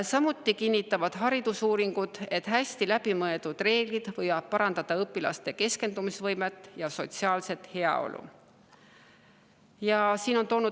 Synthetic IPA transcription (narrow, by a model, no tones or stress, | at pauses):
sɑmut̪ːˑikinʲːit̪ːˑɑvɑd̪̥ɦɑɾid̪̥usuːɾiŋɡ̥ud̪̥e̞t̪ːhæsʲt̪ilæb̥imɤed̪̥ud̪̥re̞ːɡ̥lid̪̥vɤjvɑb̥̚pɑɾɑnd̪ɑd̪̥ɑɤpːˑilɑ̰st̪e̞ke̞ske̞nd̪umisvɤjmet̪ːˑjɑso̞t̪siɑːlse̞t̪he̞ɑ̰o̞̰lʔṵ | jɑsiːno̞nt̪o̞ːnu